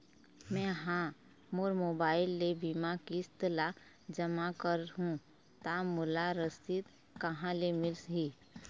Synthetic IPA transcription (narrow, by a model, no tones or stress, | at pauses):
mɛ̃ɦã | moːɾmoːbaːɪlːebimakiɪst̪la | d͡ʒəmakəɾɦũ | t̪amʊlaɾəst̪ɪt̪ | kəɦãlemɪlsɦiː